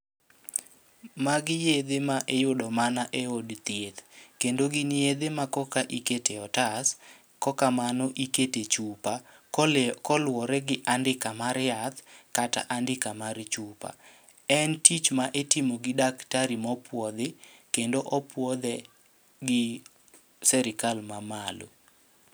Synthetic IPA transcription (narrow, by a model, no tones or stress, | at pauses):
maɡɪjed̪emaʔejʊdɔmanaʔeodt̪jet̪kendoɡɪnjed̪emakɔkaʔiketeɔtas | kɔkamanɔʔiketet͡ʃupa | kɔlwɔɾɛɡɪʔandɪkamaɾjat̪kata̰ʔandɪkamaɾt͡ʃupa̰ | ɛntit͡ʃmaʔetɪmoɡɪdaktaɾimɔpʰwɔd̪ekendoʔɔpwɔd̪ɛ | ɡɪ | sɛɾɪkalmamalo̰